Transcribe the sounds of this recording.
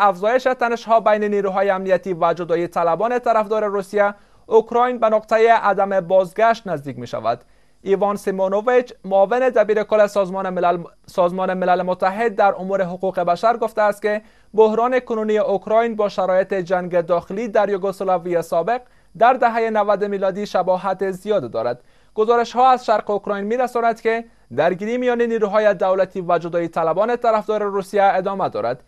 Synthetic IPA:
afzɔjeʃet̪aneʃɦɔbajneniɾuɦɒjeamnijat̪ivad͡ʒʊd̪ɒit̪ʰalabɔnet̪aɾafd̪ɔɾeɾusija | ʊkɾɔjnbanʊqt̪ajeʔad̪amebɒzɡaʃt̪nazd̪ik̚meʃa̰va̰d̪ | ivɒnsimonovet͡ʃmʊːvɪned̪abiɾekʊlːe | sɔzmɔnemɪlalemʊt̪ːaɦɪd̪̚ːaɾʊmuɾeɦʊquqebaʃaɾɡoft̪aːst̪̚ke | bohɾɔnekʊnunijeʔʊkɾɒjnbɔʃaɾɔjet̪ed͡ʒaŋɡed̪ɒxɪlid̪aɾjoɡosolaviesɒbeq̚ | d̪aɾd̪aɦajenavad̪miːlɔd̪iʃabɔɦat̪ezijɒd̪d̪ɔ̰ɾa̰d̪ | ɡ̥ʊzɔɾɪʃhɔazʃaɾqeokɾɔjnmiɾasɔnad̪ke | d̪aɾɡiɾimijɔneniːɾuɦɔjed̪awlat̪ivad͡ʒʊd̪ɒit̪ʰalabɔnet̪aɾafd̪ɔɾeɾusijaed̪ɒmad̪ɔ̰ɾa̰d̪

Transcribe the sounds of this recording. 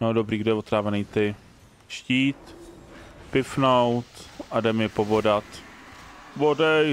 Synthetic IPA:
nodobɾiːɡdojɛvot̪ɾaːvɛniːt̪ɪ | ʃciːt̪ | pɪfnowt̪ʔadɛmjɛpobodat̪ | vodɛ

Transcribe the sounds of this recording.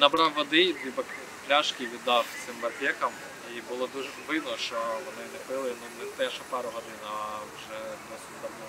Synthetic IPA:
nɐbɾɑwːɔd̪ɪʋʲibɐkʲ | plʲaʃkʲɪʋʲid̪ɑwt̪sɪmʋɐpʲɛkɐm | ibʊlˠɔd̪uʒɛʋɪw̪nɔʃt͡ʃɔʋɔnɪnɛpɪlˠɪnɔnɛt̪ɛʃɔpɛɾʊɦɔd̪ɪnɐwʒɛd̪ɔsʲʊd̪ɐwnɔ

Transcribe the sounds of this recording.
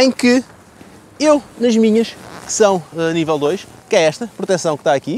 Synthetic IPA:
ɐ̃j̃kɨ | ewnɐʒmiɲɐʃkɨ̥sɐ̃w̃nivɛlˠd̪ojʃ | kɛɛʃt̪ɐpɾut̪ɛsɐ̃w̃kt̪aɐki

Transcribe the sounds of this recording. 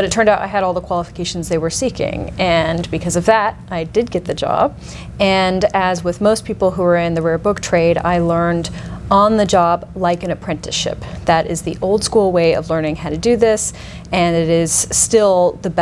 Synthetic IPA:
b̥ʌɾɨtʰɜ̃˞ndaʊɾa̰ɪɨɾɔlˠðəkʰw̥ɑlˠəfə̥kʰeɪʃn̩zðeɪwə˞sikɪ̰̃ŋɨ̃nbɨkʰʌzʌvðəɾʔaɪdɨd̚ɡɛt̪̚ðɨd͡ʒɑ̰b̥̚ | ɨ̃nɨzwɪðmoʊspʰipl̩ˠɦuə˞ɪ̃nðɨɹɛbʊk̚tʰɹ̥eɪɾa̰ɪlɜ̃˞ndə̃nðɨd͡ʒɑblaɪkɨ̃nɨpʰɹ̥ɛ̃ntɨʃɪ̰p̚ðɨɾɪ̰zðiʔoʊlˠd̥skulˠweɪʌ̰vlɜ̃˞nɪ̃ŋhaʊɾɨdɨðɪs | ɨ̃nɨɾɪz̥stɪlˠðɨb

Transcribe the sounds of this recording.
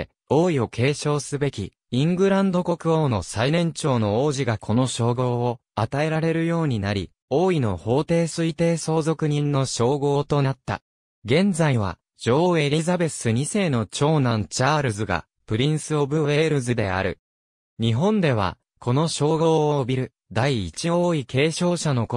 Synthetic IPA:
o̞ːio̞kʰe̞ːɕo̞ːsɨbe̞kʲḭ | ĩŋɡɯ̟ɾãnd̪o̞ko̞kɯ̟o̞ːno̞sainẽ̞ɲ̟t͡ɕo̞ːno̞oːʑiɡakʰo̞no̞ɕo̞ːɡo̞ːat̪ae̞ɾaɾe̞ɾɯ̟jo̞ːɲ̟inaɾʲi | o̞ːino̞ho̞ːt̪e̞ːsɨit̪e̞ːso̞ːzo̞kɯ̟ɲ̟ĩnːoɕo̞ːɡo̞ːt̪onat̪ːa̰ | ɡẽ̞nd͡zaiβ̞a̰ | d͡ʑo̞ːe̞ɾʲizabe̞sɨɲ̟ise̞ːno̞t͡ɕo̞ːnãnt͡ɕaːɾɯzɨɡa̰ | pɯ̟ɾʲĩɰ̃sɨobɯ̟βe̞ːɾɯ̟zɨd̪e̞a̰ɾɯ̟̰ | ɲ̟iɦõ̞nd̪e̞β̞a̰ | kʰo̞no̞ɕo̞ːɡoːobʲiɾɯ̟ | d̪aiːt͡ɕio̞ːikʰe̞ːɕo̞ːɕano̞ko

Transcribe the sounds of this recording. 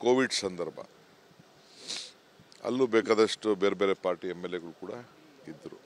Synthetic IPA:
koːʋiɖsɐnd̪ɐɾbʱɐ̰ | ɐ̰lːubeːkaːd̪ɐʂʈube̞ːɾebeːɾe̞paːɾʈiemːelːeɡɐɭukuːɽɐ̰ | id̪ːɾṵ

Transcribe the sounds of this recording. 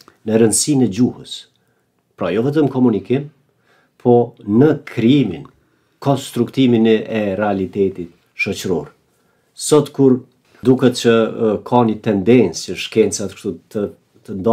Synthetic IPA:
nəɾənd̪sinɛd͡ʑuhəs | pɾajɔvɛt̪̬əmkɔmunikim | pʰɔnəkʰɾiimin | kɔnst̪ɾukt̪iminɛɾɛalit̪ɛt̪it̪ | ʃɔt͡ɕɾɔɾ | sɔt̪kuɾ | d̪ukɛt̪t͡ɕəkʰanit̪ɛnd̪ɛnt͡səʃkɛnt͡sat̪kʃt̪ut̪ə | t̪ənd̪ɔ

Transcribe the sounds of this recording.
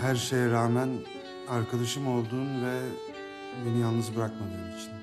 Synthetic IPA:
hæɾʃe̞jɛɾaːmæn | aɾkʰad̪aʃɯmo̞lˠd̪uːnvɛ | benijalˠnɯzbiɾakmad̪ɯːnit͡ʃʰt̪i

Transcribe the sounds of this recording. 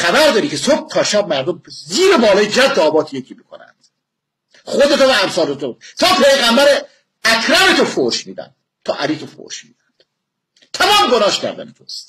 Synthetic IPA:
xæbæɾd̪ɒːɾiːcʰesob̥̚t̪ʰɒːʃæb̚mæɾd̪omziːɾebɒːlɒːjed͡ʒæd̪ːɒːbɒːt̪ʰije̞cʰiːmikʰo̰næ̰nd̪̥ | χod̪et̪ʰovææmsɒːlet̪ʰot̪ʰɒːpʰejɣæmbæɾ | ækʰɾæfet̪ʰofoɾʃmiːd̪æ̰nd̪̥̚ | t̪ʰɒ̰ːʔæliːt̪ʰofo̰ɾʃmḭːd̪ænd̪̥ | t̪ʰæmɒːmɡonɒːʃcʰæ̰ɾd̪æ̰net̪ʰo̰st̪

